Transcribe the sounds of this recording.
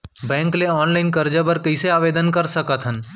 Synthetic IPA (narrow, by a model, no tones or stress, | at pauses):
bɛ̃ːŋkleɔːnlaɪnkɐɾd͡ʒəbəɾkəɪseaːʋeːd̪ənkɐɾsɐkət̪ɦən